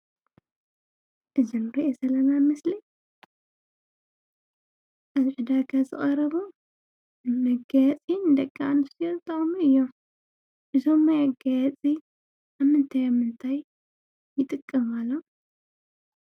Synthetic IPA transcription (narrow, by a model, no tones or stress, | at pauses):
ʔɨzɨnɾɐʔesɐlɐnamɐsli | ʔazʕɨd̪aɡazɨχʼɐɾɐβo | nɨmɐɡajɐt͡sʼind̪ɐkʼːaanɨsijot̪ʰʼːɐχʼmuɨjːo | ʔɨzo̞mːajaɡajat͡sʼi | ʔaβmɨnt̪ʰajamːɨnt̪ʰajː | ɪt̪ʼɨkʼːɐmalːo